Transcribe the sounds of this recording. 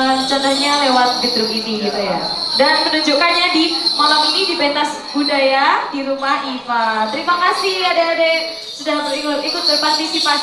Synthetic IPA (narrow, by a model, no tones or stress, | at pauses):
t͡ʃant̪əɲalewat̪̚d͡ʒəd̪ɾukiniɡit̪uja̰dankənuɲd͡ʒukanɲadimalaminidibent̪as | budajadiɾumahifat̪əɾimakasiadaːda | sudahikut̪ikʊt̪̚bərpart̪isipa